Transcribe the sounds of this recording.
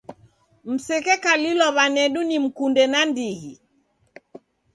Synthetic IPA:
m̩sɛkɛkalilɔβanɛɗunim̩kundɛnandihi

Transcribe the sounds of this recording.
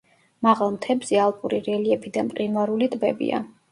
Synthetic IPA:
maʁalˠmt̪ʰɛbzɛalˠpʼuɾiɾɛliɛpʰid̪ampʼqʼinwaɾulit̪ʼbɛbḭa̰

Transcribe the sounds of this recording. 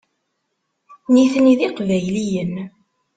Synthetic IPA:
niθəniðiqvæjlijən

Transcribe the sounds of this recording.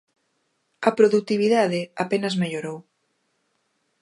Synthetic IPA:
ɐpɾoðut̪iβiðaðɪapenɐzmeʎoɾow

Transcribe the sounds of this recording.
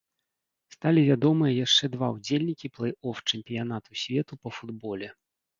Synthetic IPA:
st̪alʲivʲad̪ɔmɨjɐjaʂt͡ʂɛd̪vawd͡zʲelʲnʲikʲiplˠɛjɔft͡ʂɛmʲpʲijanat̪usʲvʲɛt̪upɐfud̪bɔlʲɛ

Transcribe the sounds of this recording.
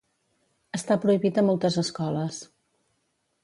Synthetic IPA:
əst̪apɾuiβit̪əmɔlˠt̪əzəskɔləs

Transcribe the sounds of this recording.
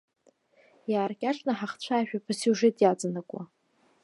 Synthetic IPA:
jaːrkʲʼaʂnaħaχt͡ɕʷʰaːʒᶣapʰasuʐetʼjat͡sʼanakʷʼwa̰

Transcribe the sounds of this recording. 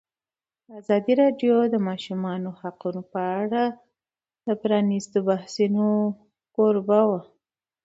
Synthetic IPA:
d̪əazɑd̪iɾɑɖjod̪əmɑʃumɑnohaqunopəaɽa | d̪əpɾɑnist̪obahsino | koɾbawa

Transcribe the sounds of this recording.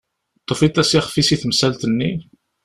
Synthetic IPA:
t̪ˤːofit̪ːæsiχfisiθmsælt̪ənːi

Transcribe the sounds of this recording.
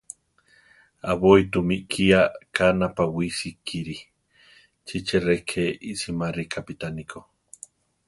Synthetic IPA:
aβoit̪umiʔkʰiakanapawisikʰːiɾi | t͡ʃit͡ʃerekʰeiʔsimarikapit̪anikʰo

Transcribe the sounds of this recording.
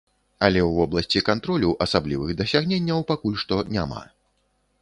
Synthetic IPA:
ɐlʲɛwvɔblˠɐsʲt͡sʲikant̪ɾɔlʲuʔɐsablʲivɨɣd̪ɐsʲaɣnʲenʲːɐwpakulʲʂt̪ɔnʲama̰

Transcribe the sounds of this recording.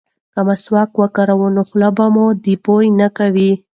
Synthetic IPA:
kamaswɑkwəkaɾawunoxlabamod̪ipojnakawi

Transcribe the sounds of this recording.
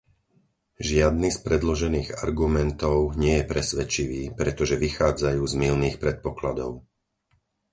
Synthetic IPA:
ʒɪad̪nispɾɛd̪lɔʒɛniːɣa̰ɾɡumɛnt̪ɔʊɲɪɛjɛpɾɛsʋɛt͡ʃiʋiːpɾɛt̪ɔʒɛʋixaːd͡zajuːzmilniːxpɾɛt̪̚pɔklad̪ɔʊ

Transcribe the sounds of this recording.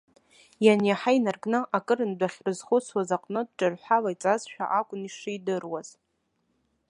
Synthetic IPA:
janjaħainarɡʼnɨʔakʼɨɾɨndʷaχʲrɨzχʊt͡sʰwazaqʼnɨd̚ʈ͡ʂʼarħʷalait͡sʼazʃᶣa̰ʔakʷʼʊniʂɨjdɨrwaz̥

